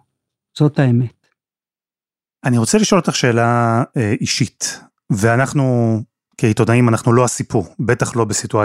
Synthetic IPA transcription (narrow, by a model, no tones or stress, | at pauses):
z̥o̞taemet | aniʁot͡seliʃo̞lot̪aχʃe̞ːlaeʔiʃit | veanaχnu | keitodaimanaχnulo̞asipuʁbe̞taχlo̞besitua